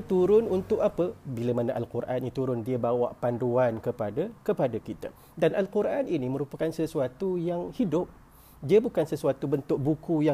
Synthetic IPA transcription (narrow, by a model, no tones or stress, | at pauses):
t̪uɾʊnunt̪ʊkapəbiləmanaʔalkuɾʔa̰nɲit̪uɾʊndiəbawa̰ʔpanduankəpadakəpadakit̪a̰ | danʔalkuɾʔaninimə̃ɾupakansəsuat̪ujaŋhidʊp̚ | diəbukansəsuat̪ubənt̪ʊʔ̚bukuja